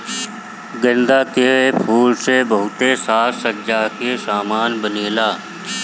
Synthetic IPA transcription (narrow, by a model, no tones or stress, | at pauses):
ɡə̃nd̪akepʰuːlsebəɦʊt̪esaːɾsəd͡ʒaːkesaːmaːnbəneːlaː